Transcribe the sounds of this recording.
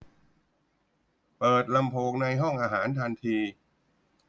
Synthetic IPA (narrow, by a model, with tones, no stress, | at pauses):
pɤː˨˩t̪̚la˧mpʰoː˧ŋna˧jɦɔ˥˩ŋʔaː˧ɦaː˩˦nt̪ʰa˧nt̪ʰiː˧